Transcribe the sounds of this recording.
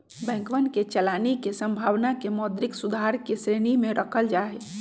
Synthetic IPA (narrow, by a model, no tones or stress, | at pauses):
bɛ̃ŋkʋənket͡ʃəlanikesə̃mbʱaʋnakemɔd̪ɾiksud̪ʱaɾkesɾenimẽɾʔəkʰəld͡ʒaɦe